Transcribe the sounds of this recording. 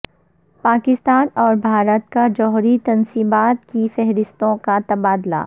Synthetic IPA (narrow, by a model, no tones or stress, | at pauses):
paːkɪst̪aːnɔːɾbʱaːɾət̪̚kad͡ʒɔːɦɾit̪ɐnsiːbaːt̪kifɛɦɾɪst̪õkat̪ɐbaːd̪la̰ː